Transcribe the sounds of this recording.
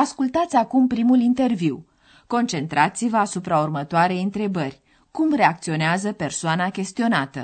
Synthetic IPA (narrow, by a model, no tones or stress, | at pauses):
askult̪at̪sʲakumpɾimulint̪e̞rviw | ko̞nt͡ʃe̞nt̪ɾat̪sivəasupɾaurmət̪oaɾe̞jɨnt̪ɾe̞bərʲ | kumre̞ak̚t̪sio̞neazəpe̞rsoanakʲe̞st̪io̞nat̪ə̰